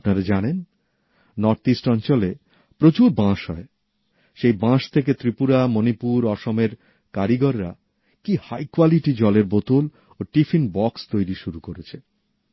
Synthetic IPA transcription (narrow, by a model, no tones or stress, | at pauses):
apnaɾad͡ʑanen | nɔɾt̪isʈɔnt͡ɕole | pɾot͡ɕuɾbãʃɦɔe | ʃejbãʃt̪ʰeket̪ɾipuɾamonipuɾɔʃomeɾ | kaɾiɡɔɾːa̰ | kihajkwaliʈid͡ʑɔleɾbot̪ul | oʈifinbɔkst̪ojɾiʃuɾukoɾet͡ɕʰe